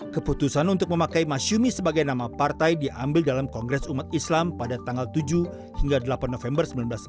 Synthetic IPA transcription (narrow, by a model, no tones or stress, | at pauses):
kəput̪usanunt̪ʊk̚məmakajmasumisəbaɡajnamapart̪ajdiʔambɪldalamkɔŋɡɾɛsumat̪̚islampadat̪aŋɡalt̪ud͡ʒu | hiŋɡadəlapanːofɛmbərsəmbilanblas